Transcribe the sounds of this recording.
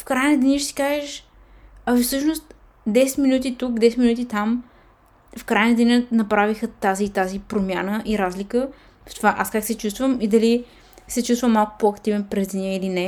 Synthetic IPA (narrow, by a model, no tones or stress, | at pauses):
fkɾajnəd̪ɛnʲiʃsi̥kaʒɛʃ | ɐvifsɤʃnost̪ | d̪ɛsɛ̥t̪minut̪̬it̪uk̚d̪ɛsɛt̪minut̪̬ʲit̪am | fkɾajnəd̪ʲɛnʲənɐpɾavixət̪azit̪azipɾomʲjanəʔiɾazlikə | ft̪ovaʔaskaksɛt͡ʃust̪vəmid̪ɐli | sɛt͡ʃust̪vəmalˠkʊ̥poɐkt̪ivɛnpɾɛzd̪nʲiɛilinɛ